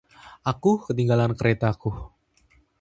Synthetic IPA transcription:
ʔakukət̪iŋɡalankəɾet̪aku

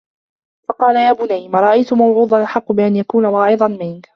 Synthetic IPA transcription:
fɑqɑːlajaːbʊnajmaɾˤɑʔajt̪ʊmawʕuːd̪ˤɑlʔaħɑqːbɪʔanjakuːnawɑːʕɨd̪ˤɑnmɪn

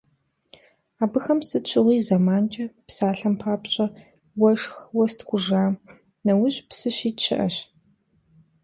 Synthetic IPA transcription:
aːbɨxɐmsɨɕʷʰʼɪʁʷiːzɐmaːnt͡ʃʼɐpsaːɬɐmpʰaːpɕʼɐ | wɐʂxwɐstʰɡʷʊʒaːm | nɐwʊʑpsɨɕiːtɕɪ̰ʔɐ̰ɕ

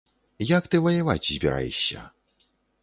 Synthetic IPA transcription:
jakt̪ɨvɐjavat͡sʲzʲbʲiɾa̰jɛ̰ɕʲːɐ̰

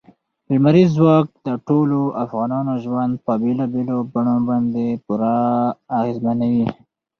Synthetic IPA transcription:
bɪlmaɾizwɑk̚d̪əʈoloʔafɣɑnɑnoʒwand̪̚pəbelɑbelobaɳobɑnd̪epuɾaːɣezmanawi

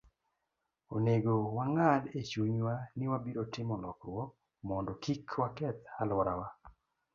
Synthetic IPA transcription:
oneɡowaŋalet͡ʃuɲwanɪwabiɾotɪmɔlɔkɾwɔk | mɔndɔkikʰwakɛt̪alɔɾawa

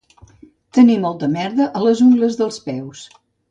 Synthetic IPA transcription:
t̪ənimɔlˠt̪əmɛɾðəʔələzuŋɡləzðəlˠspɛws

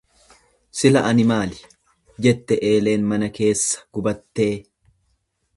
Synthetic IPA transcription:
sɪlɐ̰ʔɐnɪmaːlɪ̥ | d͡ʒɛt̪ːɛʔe̞ːle̞ːnmɐnɐke̞ːsːɐ̥ɡ̥ʊbɐt̪ːe̞ː

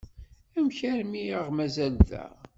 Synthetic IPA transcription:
æmçæɾmiəʁmæzælðæ̰ʁ

